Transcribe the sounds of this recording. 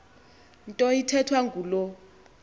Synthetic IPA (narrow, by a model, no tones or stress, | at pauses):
ntʼɔitʰɛtʰwaŋɡʱulɔ